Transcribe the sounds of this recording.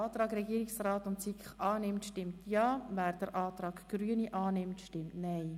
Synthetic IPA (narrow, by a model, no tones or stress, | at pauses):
ɑːt̪rɑːɡɾɛɡiːɾɪksrɑːtʊntt͡sikχɑːnɪmtʃtɪmtʰjɑːvæːɾd̥əɾʔɑːtrɑːkɡ̥ryəniʔɑːnɪmtʃtɪmtnɛɪ